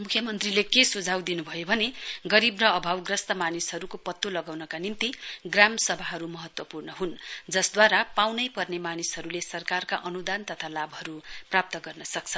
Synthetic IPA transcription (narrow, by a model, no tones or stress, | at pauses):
mukʰjʌmʌnt̪rilekesud͡zʱawd̪inubʱʌjobʱʌneɡʌɾibrʌʌbʱawɡrʌst̪ʌmanisɦʌɾukopʌt̪ːolʌɡawnʌkanint̪iɡramsʌbʱaɦʌɾumʌɦʌt̪wʌpurnʌɦund͡zʌsd̪waɾapawnʌjpʌrnemanisɦʌɾulesʌrkarkaʔʌnud̪ant̪ʌt̪ʰalabɦʌɾuprap̚t̪ʌɡʌrnʌsʌkt͡sʰʌ